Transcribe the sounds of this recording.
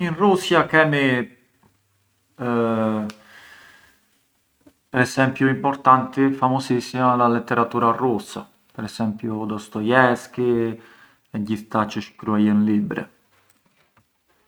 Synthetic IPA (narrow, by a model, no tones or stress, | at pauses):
inrusjakɛmi | pɛɾɛsɛmpjuimpɔɾt̪ant̪ifamɔsisimalalɛt̪ːɛɾat̪uɾarusa̰ | pɛɾɛsɛmpjud̪ɔst̪ɔjɛski | ɛɟift̪at͡ʃəʃkɾuajənlibɾɛ̰